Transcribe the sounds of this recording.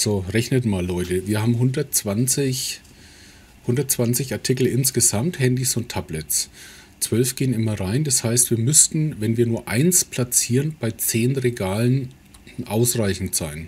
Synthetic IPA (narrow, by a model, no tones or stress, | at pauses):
z̥oʁɛçnətmaːlɔʏtəviːɐhaːbm̩ɦʊndɐt̚t͡sv̥ant͡sɪç | hʊndɐtt͡sv̥ant͡sɪçaɐtʰɪkl̩ɪnsɡ̥əzamthɛndisʊntʰːablɛts | t͡sv̥œlfɡ̥eːənɪmɐʁaɪndashaɪstv̥iːɐmʏstn̩vɛnviːɐnuːɐʔa̰ɪnspl̥at͡siːʁənb̥aɪt͡seːnʁeɡaːlən | ʔaʊsʁaɪçn̩tz̥aɪn